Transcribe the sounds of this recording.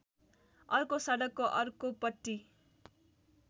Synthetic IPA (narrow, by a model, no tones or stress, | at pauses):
ʌrkosaɽʌkːoʔʌrkopʌʈ̪ːi